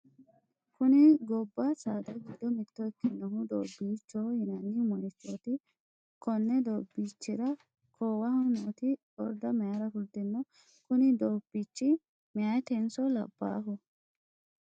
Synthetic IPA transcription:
kʊnɪɡɔbːɐsaːd̪ɐɡid̪ɔmɪt̪ːɔɛkːɛnːɔhʊd̪o̰ːbːiːt͡ʃːoːhɪnɐnːɪmɔnɪt͡ʃːoːt̪ɪ | kɔnːɛd̪oːbːiːt͡ʃːɪɾɐ | kʰoːwɐhɔnoːt̪ɪ | ɔɾd̪ɐmɛjaɾɐfʊɾd̪ɪnːɔ | kʊnɪd̪oːb̥ːit͡ʃːɪ | mɛjajt̪ɛnsɔlɐ̰bːa̰ːɦʊ

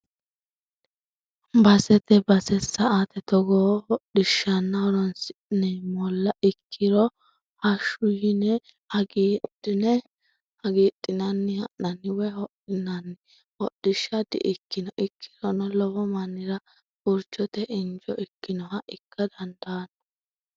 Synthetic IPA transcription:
bɐsɛt̪ɛbɐsɛsːɐat̪ɛt̪ɔɡɔhɔɗɪʃːɐnːɐɔɾɔnsɪnɛmɔlːɐʔɪkʰːɪɾɔ | hɐʃʊjɪnɛ | hɐɡiːdɪnɛ | hɐɡiːɗːɪnɐnːɪhɐʔnɐnːɪwɛhɔɗɪnɐnːɪ | hɔɗɪʃːɐd̪ɪ̰ʔɪkːɪnɔʔɪkʰːɪɾɔnɔlɔwɔmɐnːɪɾɐ | ʊɾt͡ʃːɔt̪ɛʔɪnd͡ʒɔɪkːɪnɔhɐʔɪkʰːɐd̪ɐnd̪aːnɔ

